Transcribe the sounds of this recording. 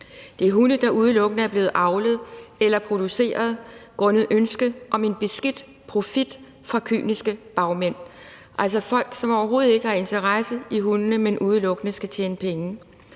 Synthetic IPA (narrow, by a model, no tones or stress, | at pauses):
d̥e̝æɐɦunəd̥ɑ̈ʔuð̞ˠlɔ̽ɡ̥ənəæɐb̥le̝ːð̩ˠʔɑ̈ʊləð̞̩ˠelɐpʰʁo̝d̥use̝̰ːɐð̞ˠɡ̥ʁɔ̽nəð̩ˠʔønsɡ̥əʔɒ̽me̝nb̥e̝sɡ̥ed̥ | pʰʁo̝fid̥ | fʁɑ̈kʰy̰ːnisɡ̥əb̥ɑ̈ʊmen̰ | ʔæl̰sɒfɒ̽l̰ɡ̥sɒ̽mɒʊɐɦo̝ːð̞̩ˠe̝ɡ̥əhɑ̈e̝nt͡sʰɐʁasəiɦunənəmenʔuð̞ˠəlɔ̽ɡ̥ənəsɡ̥æt͡ɕʰḛːnəpʰeŋə